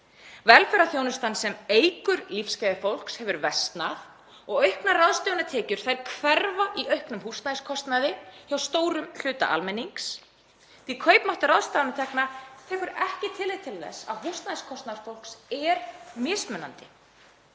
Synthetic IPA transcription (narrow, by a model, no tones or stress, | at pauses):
vɛlfɛɾaθjownʏst̪ansɛmeːjkʏɾlifscaːjðɪfowl̥kshɛvʏɾvɛst̪nað | ɔɣœɥhknaraðst̪jownat̪ʰɛːcʏɾ̥θajɾ̥kʰvɛɾvaʔiʔœɥhknʏmhust̪naðɪskʰɔst̪naðɪçawst̪oːwɾʏml̥ʏːt̪a̰ʔa̰lmɛnːiŋks | t̪ikʰœːjpnaht̪aɾraðst̪aðanat̪ʰɛhknat̪ʰɛːkʏɾɛhcɪt̪ʰɪlːejðt̪ʰɪlθɛ̰sːa̰ðɦust̪naðɪskʰɔst̪naɾfowlksɛɾmɪːsmœnːa̰nt̪ɪ